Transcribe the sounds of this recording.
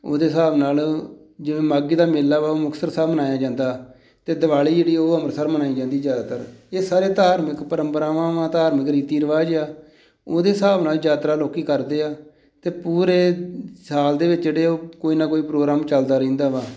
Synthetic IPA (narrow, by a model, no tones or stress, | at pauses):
o̰ːd̪eːsaːbnaːl | d͡ʒɪʋẽːmaːɡiːd̪aːmɪːlːaːʋaːoːmʊkʰsəɾsaːmənaːjaːd͡ʒãːnd̪aː | t̪eːd̪əʋaːliːd͡ʒeːɽiːoːəməɾsaːɾmənaːiːd͡ʒãːnd̪iːzjaːd̪aːt̪əɾeːsaːɾeːt̪aːɾmɪkpəɾəmpəɾaːʋãːʋãːt̪aːɾmɪkɾiːt̪iːɾəʋaːd͡ʒaː | oːd̪eːsaːbnaːld͡ʒaːt̪ɾaːloːkiːkəɾd̪eːaː | t̪eːpuːɾeːsaːld̪eːʋɪt͡ʃd͡ʒeːɽeːoːkoːiːnaːkoːiːpɾoːɡɾaːmt͡ʃəld̪aːɾəĩːnd̪aːʋaː